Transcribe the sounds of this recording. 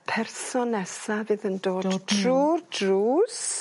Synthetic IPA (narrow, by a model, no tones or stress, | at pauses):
pʰɛrsɔnɛsavɪðəndoːdʰruːrdruːs